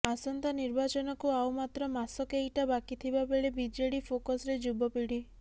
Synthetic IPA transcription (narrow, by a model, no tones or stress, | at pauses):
asɔnt̪aniɾbat͡ʃɔnɔkuawmat̪ɾɔmasɔkeejʈabakit̪ʰibabeɭebid͡ʒeɽipʰokɔsɾed͡ʒubɔpiɽi